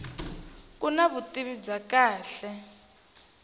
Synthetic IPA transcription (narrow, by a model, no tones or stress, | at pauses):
kʼunaβutʼiβid͡zakaːɬɛ